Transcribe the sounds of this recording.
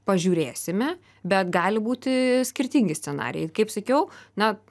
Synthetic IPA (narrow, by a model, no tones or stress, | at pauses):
pɐʒʲuːɾʲeːsʲɪmʲɛ | bʲɛt̪ɡɑːlʲɪbuːt̪ʲɪsʲkʲɪɾʲt̪ʲiŋʲɡʲɪsʲt͡s̪ʲɛnɑ̰ːɾʲɪ̰jɛ̰ɪkɐɪpsɐkʲɛʊnɐ